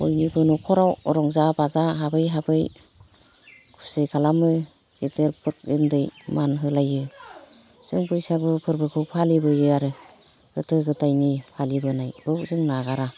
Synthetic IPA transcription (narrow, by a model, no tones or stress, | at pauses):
ojnibɯnukʰɔɾawɾɔŋzabazaɦabɯjɦabɯj | kʰu̥sekʰalamɯ | eteɾpʰɯɾk̚ɯndɯjmanɦɯlajɯ | z̥ɯŋpɯjsaɡɯpʰɯɾbɯkʰɯwpʰalibɯjɯaɾɯ | ɡ̥ɯtʰɯɡɯtajnipʰalibɯnajbɯbzɯŋnaɡaɾa